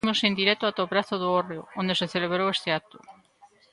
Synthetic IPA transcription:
nusend̪iɾet̪oat̪opɾaθoðuoreoond̪e̞se̞θele̞βɾoest̪e̞at̪u

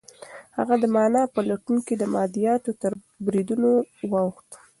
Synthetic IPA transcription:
ha̰ɣad̪əmɑnɑpəlaʈunked̪əmɑd̪ijɑt̪ot̪əɾ | bɾid̪unowɑwxt̪

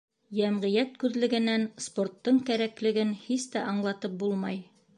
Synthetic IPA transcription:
jæmʁĭjæt̪kʉðlɘ̆ɡɘ̆nænsport̪ːɤɴkæɾæklɘ̆ɡɘnhist̪æʔɑɴlˠɑt̪ɤp̚bulˠmɑj

